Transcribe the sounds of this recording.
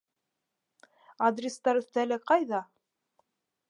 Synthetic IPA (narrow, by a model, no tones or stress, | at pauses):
ad̪rʲɪst̪ɑɾɵ̆θt̪ælɘqɑjðɑ